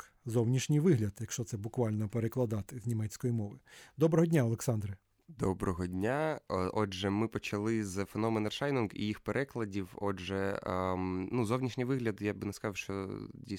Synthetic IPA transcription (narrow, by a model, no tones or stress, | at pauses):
zɔwnʲiʃnʲijʋɪɦlʲɐd̪jɐkʃt͡ʃɔt̪sɛbʊkʋɑlʲnɔpeɾeklˠɐd̪ɑt̪ɪznʲimɛt͡sʲkɔjimɔʋɪd̪ɔbɾɔɦɔdʲnʲaɔlˠeksɑnd̪ɾɨ | d̪ɔbɾɔɦɔdʲnʲaʔɔd͡ʒɛmɪpɔt͡ʃɐlˠɪzfenɔmenɐrʃɑjnunɡḭjixpeɾʔɛklˠɐdʲiwɔʒɛ | nuzɔwnʲiʃnʲijʋɪɦlʲɐd̪jabɨnɛskɐzɑwʃt͡ʃɔdʲi